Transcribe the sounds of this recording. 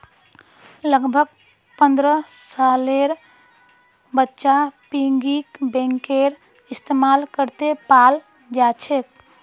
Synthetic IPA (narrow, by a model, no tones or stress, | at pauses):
ləɡbʱəɡ̚ | pənd̪ɾəsaleɾ | bətːʃapiŋɡikbɛ̃ŋkeɾ | ist̪emalkəɾt̪epal | d͡ʒat͡ʃʰek̪̚